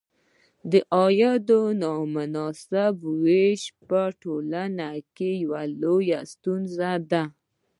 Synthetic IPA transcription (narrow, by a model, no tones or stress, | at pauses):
d̪əʔɑjɑd̪onɑmʊnɑsɪbweʃpəʈolanakejawalojast̪unzad̪a